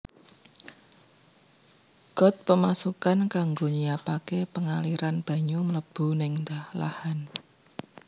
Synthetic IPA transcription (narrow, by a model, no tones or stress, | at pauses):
ɡ̥ɔ̤t̪̚pəmasukankaŋɡoɲijapakepəŋaliɾanb̥ä̤ɲumələb̥ṳnɪŋd̪ahla̰han